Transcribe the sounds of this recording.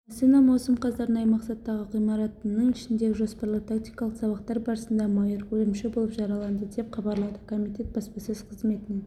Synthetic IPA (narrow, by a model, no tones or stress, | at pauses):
sinɑmɑwsəmqɑzɑɾənɑjmɑqsɑt̪ːɑʁəqijmɑɾɑt̪nəɴɪʃɪnd̪e̞ɡʲɪʒo̞spɑɾlˠət̪ʰakt̪ijkɑlˠəqsɑβɑqt̪ɑɾbɑɾəsənd̪ɑmɑjəɾkʲʰɵlɪmʃɪbo̞lˠəpʒɑɾɑlˠɑnd̪əd̪e̞pχɑbɑɾlˠɑd̪əkʰo̞mijt̪ʲe̞t̪̚bɑspɑsez̥qʰəzme̞t̪ɪne